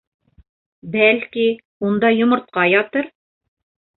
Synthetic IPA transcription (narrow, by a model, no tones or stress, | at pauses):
bælki | und̪ɑjŏmŏɾt̪̚qɑjɒt̪ɤɾ